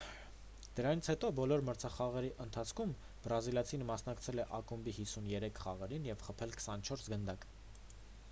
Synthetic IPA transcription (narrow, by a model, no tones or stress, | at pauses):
d̪̥əɾɑnit͡sʰhɛt̪ɔbɔlɔɾməɾt͡sʰɑχɑʁɛɾiʔənt̪ʰɑt͡sʰkʰum | bɾɑziljɑt͡sʰinmɑsnɑkt͡sʰɛlɛʔɑkumbihisunjɛɾɛkʰχɑʁɛɾinjɛvχəpʰɛlkə̥sɑnt͡ʃʰɔɾsɡənd̪ɑk